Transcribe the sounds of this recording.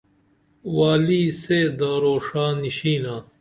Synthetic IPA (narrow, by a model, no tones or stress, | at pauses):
waːliːseːd̪aːɾoːʂaːniɕiːnaː